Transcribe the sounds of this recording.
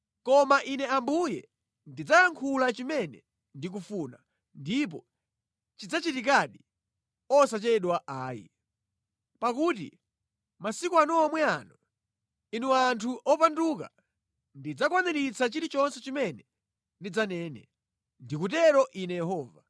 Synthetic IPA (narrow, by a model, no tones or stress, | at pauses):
kɔmaʔinɛambujɛ | ndid͡zajaŋkʰulat͡ʃimɛnɛ̰ | ndik̬ufuna̰ | ndip̬ɔ | t͡ʃid͡zat͡ʃitikaɗi | ɔsat͡ʃɛɗwaʔaːjḭ | pak̬ut̬ḭ | masikuanɔamwɛanɔ | inuantʰuʔɔpanduka̰ | ndid͡zakwanɛɾit͡sʰat͡ʃiɾit͡ʃɔnsɛt͡ʃimɛnɛ | ndid͡zanɛːnɛ | ndikut̬ɛɾɔʔinɛjɛhɔːva